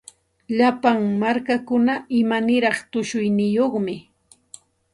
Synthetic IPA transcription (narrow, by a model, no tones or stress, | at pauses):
ʎapaŋmaɾkakʊnaɪmanɪɾɑχt̪ʊʃʊjnɪjoχmɪ